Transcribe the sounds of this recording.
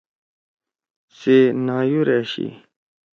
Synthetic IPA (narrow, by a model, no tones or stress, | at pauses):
senaːjuɾeɕḭ